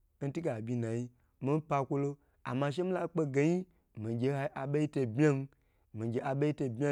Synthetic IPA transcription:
n̩˦ti˦ɡa˨bʲi˧na˨ji˦ | mi˦m˦pa˧kʷo˦lo˦ | a̰˨ma˧ʃ̬e˦mi˦la˦k͡pe˧ɡe˨ji˦ | mi˨ɡʲe˧ha˧˦ʔa˨ɓe˦ji˦te˧˨bmʲa˦n˦ | mi˨ɡʲe˨ʔa˨ɓe˦ji˦to˧bʲa˦

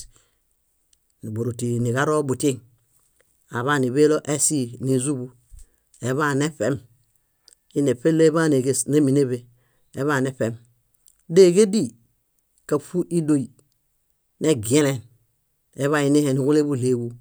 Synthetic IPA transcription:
ni˨bo˨ɾu˨ti˨ni˨ɡa˦ɾo˦bu˨te˦ŋ | a˨βa˦˨ni˨βe˦lo˦ʔe˦si˦ni˨zu˦bu˦ | e˨βa˦˨ne˦fe˦m | i˦ne˨pe˦le˦βa˦ne˨ɡe˦sne˦mi˨ne˦βe˨ | e˨βa˦˨ne˦fe˨m | de˦˨ɡe˦di˦ | ka˨fu˦ʔi˦do˦i˨ | ne˦ɡe˦le˨n | e˦βa˦˨i˦ne˦he˨ni˨ɡu˦le˦bu˦˨le˦wu˦

